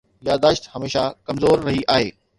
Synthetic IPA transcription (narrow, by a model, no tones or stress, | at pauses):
jaːd̪aːʃt̪hɐmeːʃakɐmzoːɾːɐɦiʔaːɦeː